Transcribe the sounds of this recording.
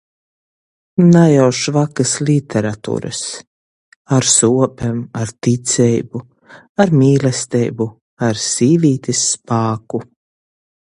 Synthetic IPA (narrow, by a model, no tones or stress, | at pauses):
najawʃvakaslit̪ʰɛɾat̪ṵːɾɨ̰s | aɾsuɔpɛmaɾt̪it̪sʲɛjbu | aɾmʲiːlɛst̪ɛjbu | aɾsiːvʲiːt̪ʲisːpaːku